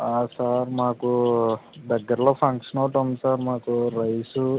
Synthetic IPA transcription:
aːsaːɾmaːku | d̪ɐɡːɐɾɐloːpʰɐŋkʂɐnɐwʈɐnd̪usaːɾmaːkuɾɐjsu

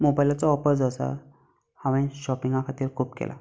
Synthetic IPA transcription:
mobajlat͡sɔɔpəɾd͡zasa̰ | haʋə̃ɕɔpiŋɡãkʰat̪iːɾkʰuːpkḛlʔa̰

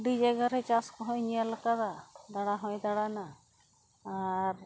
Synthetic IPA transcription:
ɖid͡ʒɛɡəɾɛt͡ʃaskɔɦɔ̃jɲijalakad̪ad̪aɽaɦɔ̃jd̪aɽana | aɾ

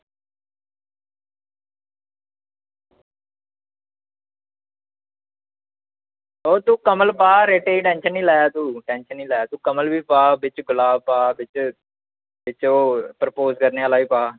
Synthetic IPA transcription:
oːt̪ũːkəməlpaːɾeːʈeːiːʈɛ̃ːnʃənːĩːlɛːjaːt̪uːʈɛːnʃənːiːlɛːjaːt̪uːkəməlbiːpaːbɪt͡ʃɡʊlaːbpaːbɪt͡ʃ | ʋɪt͡ʃoːpəɾəpoːzkəɾneːaːlaːiːpaː

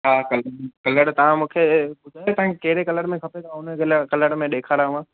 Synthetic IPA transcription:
ɦaːkɐlkɐləɽt̪ɐʋ̤ãmũːkʰebʊd͡ʒ̪ʱaːt̪ɐʋ̤ãkekɐɦɪɾekɐləɽmẽkʰɐpet̪ʰãʊnəkelkɐləɽmẽɗeːkʰaːɾaːʋãː

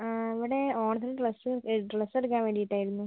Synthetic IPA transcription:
aiʋiɽe̞oːɳɐt̪̬ɐlʈlɐsʈlɐsɐɽk̬ːaːmʋeɽijiʈːaːjiɾunːu

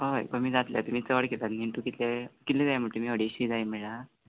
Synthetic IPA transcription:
oḛkəmiːd͡zat̪lja̰t̪umiːt͡səʋəɽket̪at̪niɳʈukit̪lekit̪led̪ajam̤uʈemiːɦəɽiɕiːd͡zajm̤eɭa

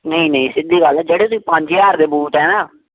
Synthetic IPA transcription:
nəĩːnəĩːsɪd̪ːiːɡəlɛːd͡ʒeɽeːt̪ʊsiːpə̃ɲd͡ʒaːɾd̪eːbuːt̪ɦɛːnaː

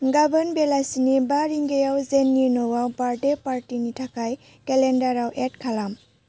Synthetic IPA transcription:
ɡabɐnbelasinibaɾiŋɡejawzenːinɔwawbaɾdepaɾtinitʰakʰaj | kelendaɾawʔet̚kʰalam

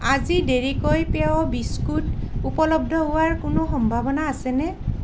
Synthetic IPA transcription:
azideɹikojpɛɔbiskutupɔlɔb̚dʱɔɦʊwaɹkʊnoxɔmbʱabɔnaːsɛnɛ

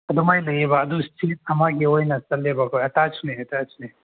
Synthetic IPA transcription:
ɐd̪umajlɐjebɐːd̪ustʰit̚ɐmaɡiojnɐsɐlebakojɐtat͡ʃʰuneɐtat͡ʃʰune

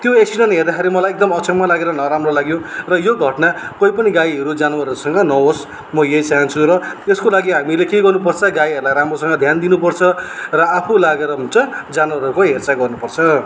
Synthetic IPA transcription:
t̪joeksiɖʌnɦerd̪akʰeɾimʌlajek̚d̪ʌmʌksʰʌmːalaɡeɾʌnʌɾamrolaɡjorʌjoɡʱʌʈnakoipʌniɡajɦʌɾud͡zanwaɾʌɾusʌŋɡʌnʌɦos | mʌjejt͡saɦant͡sʰuɾʌeskolaɡiɦamilekeɡʌrnupʌrt͡sʰʌɡajɦʌɾulajɾamrosʌŋɡʌd̪ʱjand̪inupʌrt͡sʰʌrʌapʰulaɡeɾʌɦunt͡sʌd͡zanwaɾʌɾukoɦert͡saɡʌrnupʌrt͡sʰʌ

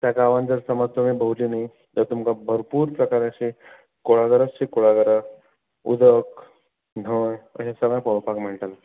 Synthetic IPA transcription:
t̪jakaːʋand͡zəɾsəmət̪ʋəmibʱəɦulinai | t̪əɾt̪umkabʱəɾpuːɾpɾəkaɾjaɕi | koɭaɡəɾasɕikoɭaɡəɾa | ṵd̪ək | n̤əɳə̰ɕasəɡjapəʋpakm̤əɳʈal

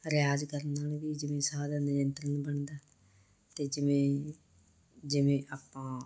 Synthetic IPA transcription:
ɾɪjaːd͡ʒkəɾnaːlʋiːd͡ʒɪʋẽːsaːd̪aːnəd͡ʒənt̪ɾənbəɳd̪aː | t̪eːd͡ʒɪʋẽː | d͡ʒɪʋẽːʔaːpːãː

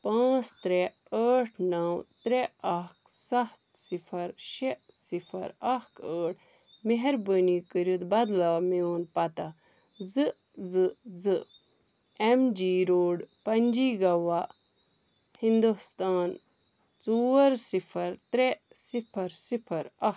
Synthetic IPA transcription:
pãːt͡st̪ɾe | əːʈʰnɐwt̪ɾeɐksɐht̪sipʰɐɾʃesipʰɐ̰ɾɐkəːʈʰ | meɦɐɾbənikəɾut̪bɐd̪laːmioːnpɐt̪a | zɨ | zɨzɨ | emd͡ʒiːɾoːɖpɐnʲd͡ʒiːɡɐʋa | hind̪ust̪aːn | t͡suɐɾsipʰɐɾt̪ɾesipʰɐɾsipʰɐɾɐ

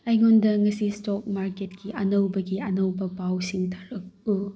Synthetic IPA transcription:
ajŋondɐŋɐsistok̚maɾketkʰiʔɐnɐwbɐɡiɐnɐwbɐpawsiŋtʰḁɾɐk̚ɯ

